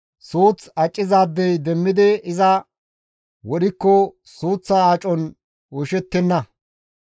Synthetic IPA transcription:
suːt͡sɐt͡ʃʼːɪzaːd̪ːɛjd̪ɛmːɪd̪ɪɪzɐ | wɔɗɪkːɔ | suːt͡sːaːt͡ʃʼɔn | wʊʃɛt̪ːɛnːɐ

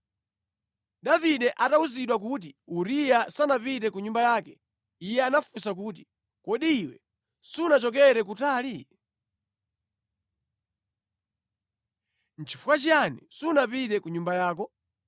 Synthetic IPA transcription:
ɗaviɗɛʔatauziɗwak̬uːt̬iuɾijasanapitɛkuɲumbajaːkɛ̥ | ijɛanafusak̬uːt̬i | kɔɗiːwɛ̰ | sunat͡ʃɔk̬ɛɾɛk̬utaːli | n̩t͡ʃʰifukat͡ʃianisunapitɛkuɲumbajaːk̬ɔ

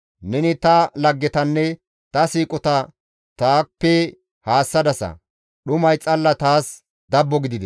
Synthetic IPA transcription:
nɛnɪt̪ɐlɐɡːɛt̪ɐnːɛ | t̪ɐsiːkʼɔt̪ɐ | t̪aːpːɛ | haːsːɐd̪ɐsɐ̰ | ɗʊmɐjt͡sʼɐlːɐt̪aːs | d̪ɐbːɔɡɪd̪ɪd̪ɛ

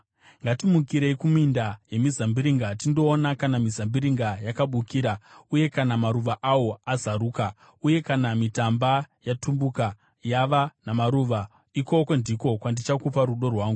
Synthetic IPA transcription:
ŋɡatimukiɾe̞ikumindaje̞mizambiɾiŋɡatindo̞ːnakanamizambiɾiŋɡajakaɓukiːɾauje̞kanamaɾuʋaʔawo̞azaɾuːka | uje̞kanamitambajatumbuka | jaʋanamaɾuʋa | iko̞kwo̞ndiko̞kwandit͡ʃakupaɾuɗo̞rwaːŋɡu

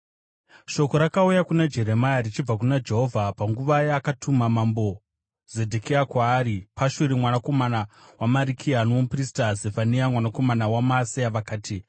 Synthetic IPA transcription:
ʃo̞ko̞ɾakaujakunad͡ʒe̞ɾe̞majarit͡ʃib͡vakunad͡ʒe̞ɦo̞vʱapaŋɡuʋajaakatʰumamambo̞ | ze̞dʱekeakwaːɾipaʃuɾimwanako̞manawamaɾikʰianopristazefaniamwanako̞manawamaːsiaʋakaːtʰi

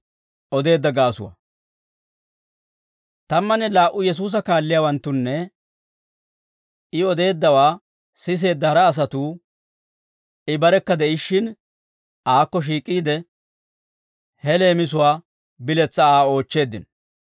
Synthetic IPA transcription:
ʔɔd̪e̞ːd̪ːɐɡaːsʊ̰wɐ̰ | t̪ɐmːɐnɛlaːʔːʊjɛs̬uːs̬ɐkaːlːɪjaːwɐnt̪ːʊnːɛ | ɪɔd̪e̞ːd̪ːɐwaː | sɪs̬e̞ːd̪ːɐhɐɾɐːs̬ɐt̪uː | ɪbɐɾɛkːɐd̪ɛɪʃːɪn | ʔaːkːɔʃ̬iːkʼːiːd̪ɛ | hɛle̞ːmɪs̬ʊwaː | bɪlɛt͡sːɐaːo̞ːt͡ʃːe̞ːd̪ːɪn

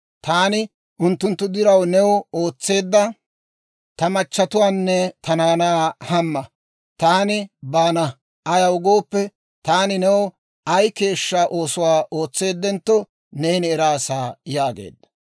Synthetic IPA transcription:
t̪aːnɪ | ʔʊnt̪ːʊnt̪ːʊd̪ɪɾɐwnɛwɔoːt͡sːe̞ːd̪ːɐ | t̪ɐmɐt͡ʃːɐt̪ʊwaːnːɛt̪ɐnaːnaːhɐmːɐ | t̪aːnɪbaːnɐ | ʔɐjɐwʊɡo̞ːpːɛ | t̪aːnɪnɛwɔ | ʔɐjke̞ːʃːaʔo̞ːsʊwaːʔo̞ːt͡sːe̞ːd̪ːɛnt̪ːɔ | nejnɪɛɾaːsaːjaːɡḛːd̪ːɐ̥

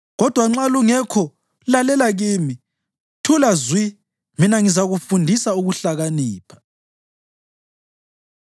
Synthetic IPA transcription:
ɣɔd̥ʱwaŋ͡ǁaluŋɛkʰɔ | lalɛlaɣiːmi | tʰulazwi | minaŋizaɣufundʱisauɣuɬaɣaniːpʰḁ

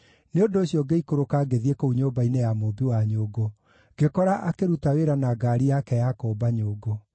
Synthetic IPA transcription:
neondoːɕjɔɡeikoɾokaɡeðiekouɲoːbainejamobuwaɲoːɡo | ɡ̥ekɔɾaʔakeɾutaweɾanaɡaːɾijakɛjakoːbaɲoːɡo

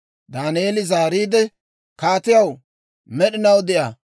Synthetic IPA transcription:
d̪aːnɪjeːlɪzaːɾiːd̪ɛ | kaːt̪ɪjɐw | mɛɗɪnɐwd̪ɪʔja

